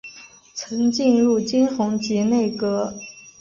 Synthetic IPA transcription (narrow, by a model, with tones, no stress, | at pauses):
t͡sʰɤ˧˥ŋt͡ɕi˥˧nɻu˥˩t͡ɕi˥nxʊ˧˥ŋt͡ɕi˧˥ne˥˩ɪkɤ˧˥